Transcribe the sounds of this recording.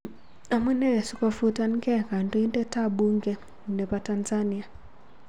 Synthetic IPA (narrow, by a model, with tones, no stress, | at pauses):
a˨mu˦nɛ˦˨su˦ka˦fu˦ta˦nkɛ˦ka˨nto˦i˦ntɛ˦ta˦bu˦ŋɡɛ˦˨ | nɛ˨pa˨ta˨nza˦nia˨